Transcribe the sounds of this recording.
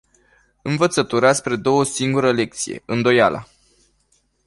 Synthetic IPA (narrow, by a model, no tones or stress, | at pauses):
ɨnvət̪sət̪uɾaspɾe̞d̪o̞wəsiŋɡuɾəle̞k̚t̪sije̞̰ɨnd̪o̞jala̰